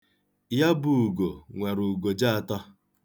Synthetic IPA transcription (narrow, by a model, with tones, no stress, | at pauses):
ja˦bu˨u˨ɡo˨ŋʷa˨ɾu˨ɡo˨d͡ʒa˦a˨tɔ˦